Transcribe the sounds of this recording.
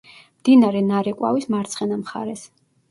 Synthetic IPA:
md̪̥inaɾɛnaɾɛkʼwa̰vismaɾt̪sʰχɛnamχa̰ɾɛs

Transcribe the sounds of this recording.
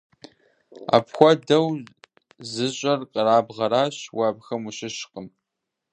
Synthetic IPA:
a̰ːpxʷɔdɐw | zɨɕʼɐrqəraːbʁɐɾaːɕwɐbxɐmuɕɪɕqəm

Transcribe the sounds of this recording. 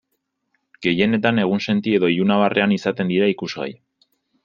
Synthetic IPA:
ɡe̞je̞ne̞t̪ane̞ɣ̞unse̞nt̪ie̞ðo̞iunaβarʔe̞anisat̪e̞nd̪iɾaikuzɣa̰j

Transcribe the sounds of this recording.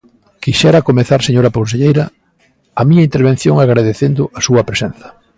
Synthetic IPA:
kiʃɛɾɐkomeθaɾseɲoɾɐponseʎejɾɐ | ɐmĩɲɐint̪eɾβ̞ẽn̟θjoŋaɣɾaðeθend̪ʊɐsuɐpɾesen̟θɐ̥

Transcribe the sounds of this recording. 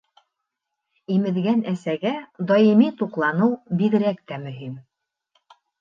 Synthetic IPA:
imɘ̆ðɡænæsæɡæd̪ɑjimit̪uqlˠɑnɤwbiðɘ̆ɾækt̪æmɵ̆ɦim

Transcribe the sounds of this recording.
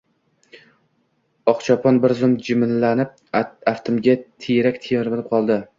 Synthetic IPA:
ɒqt͡ʃʰɒpʰɒnbɪɾzʊmd͡ʒɪmɪnlanɪp̚aft̪ʰʊmɡʲat̪ʰejɾakʲt̪ʰejɪɾbɪlˠɪp̚qʰɒlˠd̪ɪ

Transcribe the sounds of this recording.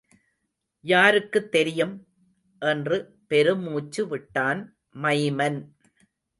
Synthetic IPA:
jaːɾɯkːɯt̪ːɛɾɪjɯm | ʔɛndrɯ | pɛɾɯmuːt͡ʃːɯʋɪʈːaːn | mɐɪmɐn

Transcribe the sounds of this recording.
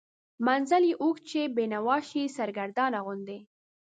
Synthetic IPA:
manzaljiʔukt͡ʃebenawɑʃisaɾɡaɾd̪ɑnaɣʊnd̪e

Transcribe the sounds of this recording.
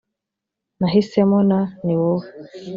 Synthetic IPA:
naɦisemɔnaniwo

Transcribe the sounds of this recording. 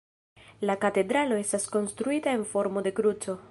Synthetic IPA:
lakate̞dɾalo̞e̞stasko̞nstɾuitae̞nfo̞ɾmo̞de̞kɾut͡so̞

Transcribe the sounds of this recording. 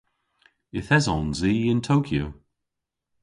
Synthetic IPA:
ɪθɛzɔnziːɪntʰowkʰjo

